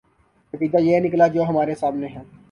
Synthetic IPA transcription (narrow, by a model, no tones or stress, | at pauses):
kəkiːd̪ajeːnɪklad͡ʒoːɦɐmaːɾesaːmneɦɛ̃ː